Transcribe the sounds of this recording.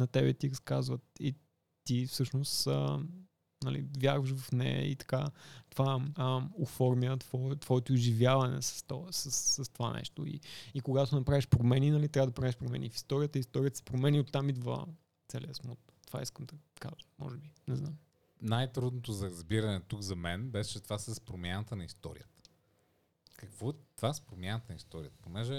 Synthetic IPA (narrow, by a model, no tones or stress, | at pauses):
nɐt̪ɛbɛt̪iɾɐskazvət̪i | t̪ifsɤʃnost̪ə̰ | nɐlḭvjaɾvəʃvɐfnɛ̰ḭt̪ɐ̥kat̪ovaəofɔɾmiət̪v̥ɔt̪vɔɛt̪oːʒivjavɐnɛ̰sɐ̥st̪ɔsəsːɐst̪ova̰nɛ̰ʃt̪oḭikoɡat̪onɐpɾaviʃpɾomɛninɐlit̪ɾʲavəd̪ɐpɾavɛʃpɾomɛ̰nifi̥st̪ɔɾiət̪əist̪ɔɾʲiət̪ə̥spɾomɛniot̪ːamid̪və̰ | t̪sɛlʲiəsmut̪ːva̰iskəmd̪ɐka̰ʒəmɔ̰ʒɛbinɛznam | najt̪ɾud̪not̪ozɐɾɐzbiɾɐnɛt̪ukzɐmɛnbɛst͡ʃɛt̪ovasɛspɾomʲjanət̪ənɐist̪ɔ̰ɾḭjət̪ə̥ | kɐkvɔɛt̪vaɛspɾomʲjanət̪ənɐist̪ɔɾḭət̪ə̥ponɛʒɛ